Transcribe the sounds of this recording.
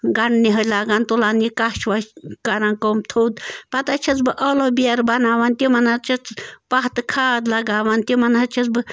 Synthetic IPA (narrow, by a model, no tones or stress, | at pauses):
ɡaɳɖniɦəlaɡant̪ulanikat͡ʃʰʋakaɾankomt̪ʰowd̪pɐt̪at͡ʃʰɐt͡sbɨʔəlobiaɾbɐnaːʋant̪imɐnat͡ʃʰɐt͡spaɦt̪kʰaːd̪lɐɡaːʋant̪imɐnat͡ʃʰɐt͡sbɨ